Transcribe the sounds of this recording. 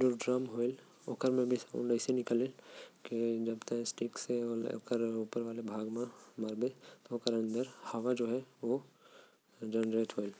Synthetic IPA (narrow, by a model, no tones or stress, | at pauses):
d͡ʒoɖɾaːmɦoːɪl | o̰ːkəɾmẽbʱisaṵ̃ɳɖəɪsenɪkəleked͡ʒɐbt̪asʈɪkseɔ̰kəɾuːpəɾʋaːlebʱaːɡmẽmaɾbẽt̪ookəɾɐ̃nd̪əɾhaːʋad͡ʒoːɦɛʋo | d͡ʒɛnɾeːʈ̪ɦoːɪl